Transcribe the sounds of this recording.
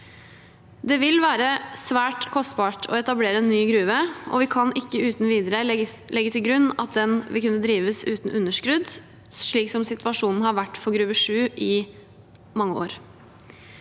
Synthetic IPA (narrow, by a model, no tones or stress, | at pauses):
d̪ɛʋɪlʋæːɾəsʋæːʈkʰɔst̪bɑːʈʰɔ̰ɛt̪ɑbleːɾəɛnːyːɡɾʉːʋəʔɔ̰ʋɪkʰɑnʔɪkːəʉːt̪n̩ʋiːd̪əɾəlɛɡːət̪ʰɪlɡɾʉnːɑ̰t̪̚d̪ɛnʋʔɪ̰lkʉnːəd̪ɾiːʋəsʉːt̪nʉnːəʂkɾʉd̪ | ʂɭiːksɔmsɪt̪ʋɑʂuːnn̩hɑɾʋæʈːfɔɾɡɾʉːʋəʂʉːʔɪ | mɑŋːəo̰ːɾ